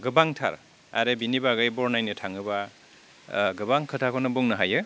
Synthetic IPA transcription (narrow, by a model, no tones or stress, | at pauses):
ɡɯbaŋtʰa̰ɾ | a̰ɾebinibaɡɯjbɔɾnajnɯtʰaŋɯba | ɡɯbaŋkʰɯtʰakʰɔnɯbuŋnɯɦajɯ